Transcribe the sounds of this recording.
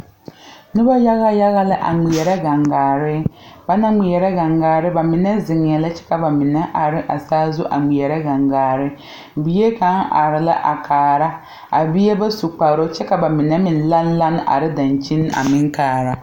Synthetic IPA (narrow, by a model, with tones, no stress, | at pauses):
nɪ˦ba˦ja˦ɣa˦ja˦ɣa˦la˦ʔa̰˨ŋ͡mi˨ɛ˨ɾɛ˦ɡa˨ŋɡaː˨ɾɪ˦ba˨na˦ŋi˨ɛ˨ɾɛ˦ɡa˨ŋɡaː˨ɾɪ˦ba˨mɪ˨nɛ˦zɪ˨ŋ˨ɛ˨la˦t͡ʃɛ̥˦ka˨ba˨mɪ˨nɛ˦ʔa˨ɾɪ˦ʔa˨saː˦zʊ˦ʔa̰˨ŋ͡mi˨ɛ˨ɾɛ˦ɡa˨ŋɡaː˨ɾɪ˦ | bi˦je˦ka˨˦nʔa̰˨ɾɪ˨la̰˦ʔa˨kʰaː˨ɾa˦ | a˨bɪ˦ɛ˦ba˦su˨k͡pa˨ɾo˦t͡ʃɛ˦ka˨ba˨mɪ˨nɛ˦mɪ˨n˦la˦n˦la˦n˦a̰˨ɾɪ˦da˨nt͡ʃi˦n˦a̰˨mɪ˦ŋkaː˨ɾa˦